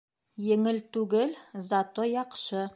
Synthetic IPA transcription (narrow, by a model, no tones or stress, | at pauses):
jɘ̆ŋɘlt̪ʉɡɘlzat̪ojɑqʃɤ